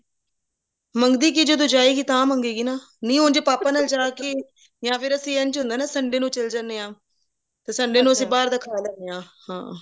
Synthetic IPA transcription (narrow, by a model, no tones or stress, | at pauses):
məŋɡd̪iːkiːd͡ʒod̪oːd͡ʒaːiːɡiːt̪ãːməŋɡiːɡiːnaː | nĩːɦoːnd͡ʒeːpaːpaːnəld͡ʒaːki | jãːpʰɪɾəsĩːɛnt͡ʃɦʊ̃nd̪aːnaːsəɳɖeːnũːt͡ʃəld͡ʒaneːãː | t̪eːsəɳɖeːnũːəsĩːbaːɾd̪aːkʰaːlɛːneːãːhã̰ː